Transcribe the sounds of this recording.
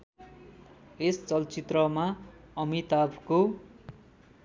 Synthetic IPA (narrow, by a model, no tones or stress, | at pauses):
est͡sʌlt͡sit̪rʌmaʌmit̪abʱko